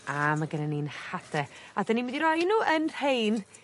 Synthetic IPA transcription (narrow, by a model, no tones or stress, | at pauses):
ʔamaɡənəninhadɛadaniwɪndiɾɔjnuːʔənr̥ejn